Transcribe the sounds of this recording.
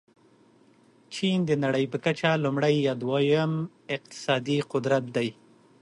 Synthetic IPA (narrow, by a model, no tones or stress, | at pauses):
t͡ʃind̪ənaɽəjpəkat͡ʃalʊmɽajɑd̪wajam | ɪq̚t̪ɪ̥sɑd̪iqʊd̪ɾat̪̚d̪aj